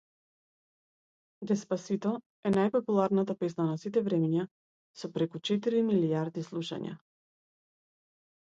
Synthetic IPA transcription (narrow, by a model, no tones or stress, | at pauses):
d̪ɛspasit̪ɔ | ɛnajpɔpulˠaɾnat̪apɛsnanasit̪ɛvɾɛmiɲa | sɔpɾɛkut͡ʃɛt̪iɾimiliaɾd̪islˠuʃa̰ɲa̰